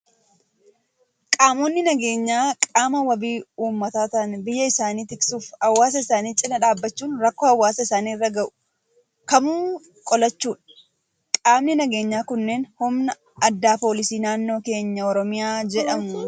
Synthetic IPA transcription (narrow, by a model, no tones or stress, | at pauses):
kʼaːmonːɪnɐɡe̞ːɲːaːkʼaːmɐwɐbiːuːmːɐt̪aːt̪ɐɐnbɪjːɐɪsaːniːt̪ɪksuːfɐwːaːs̬ɐɪsaːniːt͡ʃʼɪnɐᶑaːbːɐt͡ʃːuːnɾɐkːoːhɐwːaːsɐɪsaːniːɪrːɐɡɐʔʊ̥ | kɐmuː | kʼɔlɐt͡ʃːuːᶑɐ̥ | kʼaːmnɪnɐɡe̞ːɲːaːkʊnːe̞ːnhʊmnɐ | ɐd̪ːaːpo̞ːlɪsiːnaːnːo̞ːke̞ːɲːɐɔɾɔmɪjaːd͡ʒɛᶑɐmʊ